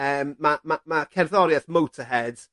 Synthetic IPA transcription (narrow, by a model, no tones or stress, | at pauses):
əːmːamamakʰɛrðɔɾjɛθmowtʰəɦɛd̥